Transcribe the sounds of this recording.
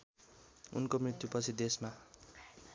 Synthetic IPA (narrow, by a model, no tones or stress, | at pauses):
ṵnkomrit̪jupʌt͡sʰid̪esma